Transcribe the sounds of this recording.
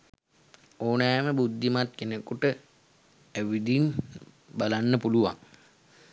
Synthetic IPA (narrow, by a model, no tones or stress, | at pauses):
oːnæːməbud̪ːimat̪̚kenekuʈə | æʋid̪in | balanːəpuluʋa̰ŋ